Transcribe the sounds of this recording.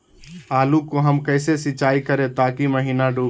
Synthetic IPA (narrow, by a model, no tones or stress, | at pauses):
aːlukoɦəmkəɪsesɪt͡ʃaːikəɾẽt̪aːkiməɦiːnaɖuː